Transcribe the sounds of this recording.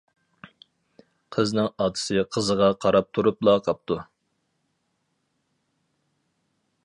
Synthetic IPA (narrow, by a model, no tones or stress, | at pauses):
qʰəznɪŋɑːt̪ʰɨ̥sɨqʰəzəʁɑqʰɑɾɑp̚t̪ʰuɾuplˠɑqʰɑp̚t̪ʰu